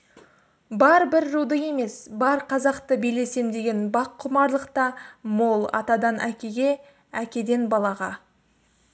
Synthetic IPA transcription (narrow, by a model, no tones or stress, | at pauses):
bɑɾbɪɾːud̪əje̞me̞sbɑɾqʰɑzɑqt̪əbijle̞se̞md̪e̞ɡʲe̞nbɑqʰːʊmɑɾlˠəqt̪ɑmolˠɑ̰t̪ɑd̪ɑnʔækʲe̞ɡʲe̞ | ækʲe̞d̪e̞nbɑlˠɑʁɑ